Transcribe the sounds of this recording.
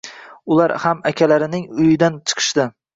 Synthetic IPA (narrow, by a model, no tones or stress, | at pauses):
ʊlaɾhamakʲʰalaɾɪnɪŋʊjɪd̪ant͡ʃʰɨ̥qʰɨ̥ʃd̪ɪ